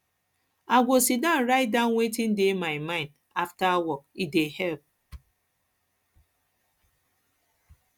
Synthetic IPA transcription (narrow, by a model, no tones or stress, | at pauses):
aɡʷosidãnɾaɪt̚dãʊ̃nwetĩn̩demaɪmãɪ̃nd | aftawɔkidehɛlp̚